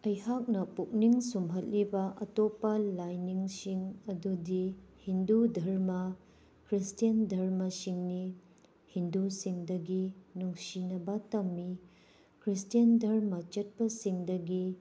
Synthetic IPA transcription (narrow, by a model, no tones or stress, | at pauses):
ɐjhak̚nɐpuk̚niŋsumɦɐt̚libɐʔɐtopːɐlajniŋsiŋɐdudihindudʱɐɾmɐ | kɾistijɐndʱɐɾmɐsiŋni | hindusiŋdɐɡinuŋsinɐbɐtɐmːi | kɾistijɐndʱɐɾmɐt͡ʃɐt̚pɐsiŋdɐɡi